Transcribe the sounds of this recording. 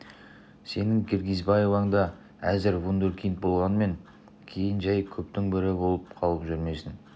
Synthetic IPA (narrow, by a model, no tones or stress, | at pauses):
se̞nɪŋkʲʰeɾɡʲizbɑje̞vɑɴd̪ɑ | æzɪɾvund̪oɾkʲʰijnt̪̚bo̞lˠʁɑnəme̞ŋ | kʲʰe̞jɪnʒæjkʲʰɵpt̪ɪŋbɪɾɪbo̞lˠəp̚qʰɑlˠəpʒʏɾme̞sɪn